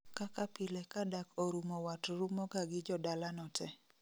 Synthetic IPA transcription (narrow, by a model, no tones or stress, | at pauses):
kakapɪlɛkadakoɾumɔwatɾumɔɡaɡɪd͡ʒɔdalanɔtɛ